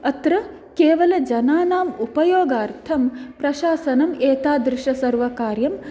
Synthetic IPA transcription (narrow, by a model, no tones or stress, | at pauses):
ɐt̪ɾɐ | keːʋɐlɐd͡ʒɐnaːnaːmupɐjoːɡaːɾt̪ʰɐmpɾɐʃaːsɐnɐmeːt̪aːd̪ɾɪʂɐsɐɾʋɐkaːɾjɐm